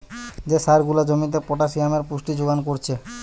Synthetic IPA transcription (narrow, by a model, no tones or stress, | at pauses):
d͡ʑeʃaɾɡulad͡ʑomit̪̬epɔʈaʃiameɾpuʃʈid͡ʑoɡankoɾt͡ɕʰe